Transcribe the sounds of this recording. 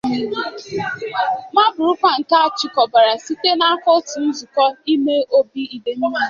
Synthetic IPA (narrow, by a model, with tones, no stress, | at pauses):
ma˦bʊ˨ɾʊ˦kʷa˦n̩˨ta˦t͡ʃi˨kɔ˨ba˨ɾa˨si˦te˦na˦a˦kɔ˦tʊ˨n̩˦zʊ˨kɔ˦i˦me˦ʔo˦bi˦i˨de˨mi˦i˦˨˦